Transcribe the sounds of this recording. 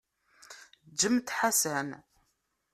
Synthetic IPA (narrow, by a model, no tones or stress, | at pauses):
d͡ʒːəmt̪ħasæn